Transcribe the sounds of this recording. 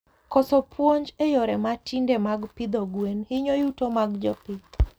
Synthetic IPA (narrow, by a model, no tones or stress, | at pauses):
kɔsɔpʰwoɲd͡ʒɛjɔɾɛmatindɛmaɡpid̪ɔɡwenhɪɲɔjutɔmaɡd͡ʒɔpi